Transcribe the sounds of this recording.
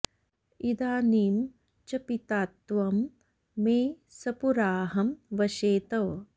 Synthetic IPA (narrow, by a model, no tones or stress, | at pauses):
id̪aːniːm | t͡ʃɐpit̪aːt̪ʋɐmː | eː | sɐpuɾaːɦɐmʋɐʃeːt̪ɐʋ